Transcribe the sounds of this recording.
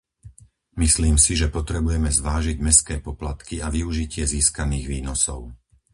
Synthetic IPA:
misliːmsiʒɛpɔt̪ɾɛbujɛmɛzʋaːʒiɟmɛskɛːpɔplat̪kiaʋiuʒicɪɛziːskaniːɣʋiːnɔsɔ̰ʊ

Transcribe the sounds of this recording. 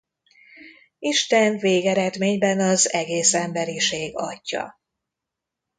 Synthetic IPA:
iʃt̪ɛnveːɡɛɾɛd̪meːɲbɛnɒzɛɡeːsɛmbɛɾiʃeːɡɒcːɒ̰

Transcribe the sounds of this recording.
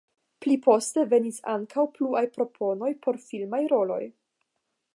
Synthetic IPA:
plipʰo̞ste̞ve̞nisa̰ŋkʰawpluajpɾo̞pʰo̞no̞jpo̞ɾfilmajɾo̞lo̞̰j

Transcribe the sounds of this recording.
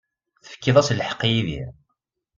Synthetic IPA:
θə̥fə̥kːiðˤæsləħə̥qːijiðḭ

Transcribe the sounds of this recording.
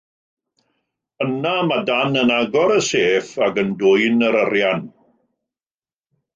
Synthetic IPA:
ənamadanənaɡɔɾəseːfaɡəndʊɨnəɾərjan

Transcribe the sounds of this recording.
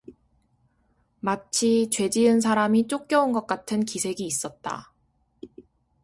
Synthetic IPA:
mat͡ɕʰit͡ɕwe̞d͡ʑiɯns̬ʰaɾamit͡ɕ͈ok͈̚jʌunɡʌk͈atʰɯnkisʰe̞ɡiːs͈ʌt̚t͈a̰

